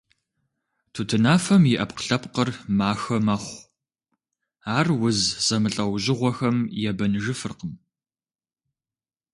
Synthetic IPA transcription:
tʰutʰɨnaːfɐmjɪʔɐpqə̥ɬɐpqərmaːxɐmɐχʷ | aːrwʊzz̥ɐmɨɬʼɐwʑɪʁʷɔxɐmjɛbɐnʒɨfɨrqəm

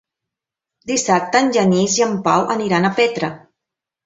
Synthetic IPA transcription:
d̪isap̚t̪əːnʲʒəniziəmpawʔəniɾanəpet̪ɾə

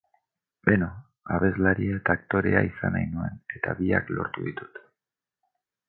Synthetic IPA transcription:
beno | aβe̞zlaɾiae̞t̪aːk̚t̪o̞ɾe̞aisanajnue̞̰ne̞t̪a̰βia̰klo̞̰ɾt̪uðit̪u̥t̪

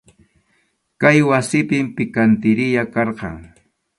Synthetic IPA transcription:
kajwasɪpɪmpɪkant̪ɪɾɪjakɑɾqɑ̰ŋ

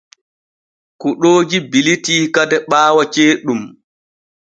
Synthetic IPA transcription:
kuɗoːd͡ʒibilitiːkadɛɓaːwat͡ʃeːɗum

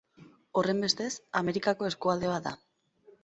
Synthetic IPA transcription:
o̞re̞mbe̞st̪e̞same̞ɾikako̞e̞skuald̪e̞βad̪a̰

